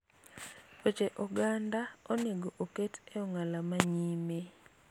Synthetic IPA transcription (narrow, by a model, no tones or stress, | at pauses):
pot͡ʃeʔɔɡandaoneɡoʔoketeɔŋalamaɲime